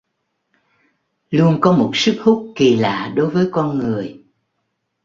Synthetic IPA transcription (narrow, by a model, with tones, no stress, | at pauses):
lu˧ənkɔ˨˦mo˨˩t̚sɨ˦˥k̚hu˦˥k͡p̚ki˨˩la̰ː˧˨ɗo˨˦jvəː˨˦jkɔ˧nŋɨ˨˩əj